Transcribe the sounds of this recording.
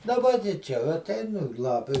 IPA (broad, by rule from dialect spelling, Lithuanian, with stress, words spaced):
dɐˈbɐ tʲɪ ˈt͡ʃʲɛ ʋɐ ɐˈtʲɛɪn ʊ ˈlˠɑːpʲɪ